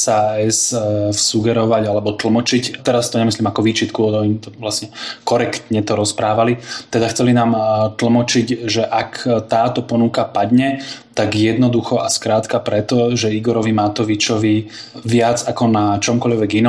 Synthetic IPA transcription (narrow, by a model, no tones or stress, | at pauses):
saɛssuɡɛɾɔʋaɟalɛbɔt̪l̩mɔt͡ʃict̪ɛɾast̪ɔɲɛmisliːmakɔʋiːt͡ʃit̪kuɔɲit̪ɔʋlasɲɛkɔɾɛkt̪ɲɛt̪ɔɾɔspɾaːʋalit̪ɛd̪axt͡sɛlinaːmt̪l̩mɔt͡ʃicʒɛʔakt̪aːt̪ɔpɔnukapad̪ɲɛt̪aɡjɛd̪nɔd̪uxɔʔaskɾaːt̪kapɾɛt̪ɔʒɛiɡɔɾɔʋimat̪ɔʋit͡ʃɔʋiʋɪad͡zakɔnat͡ʃɔmkɔʎʋɛɡin